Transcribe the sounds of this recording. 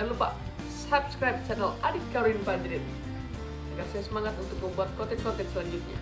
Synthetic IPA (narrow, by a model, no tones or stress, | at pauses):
alupa̰ʔ | sapskɾajp̚t͡ʃanɛladikaɾuinband̪ɾɛt̪̚ | daɡarsajasəmaŋat̪unt̪ʊk̚məmbuat̪̚kɔt̪ɛtsɔt̪ɛnsəlaɲd͡ʒut̪̚ɲa̰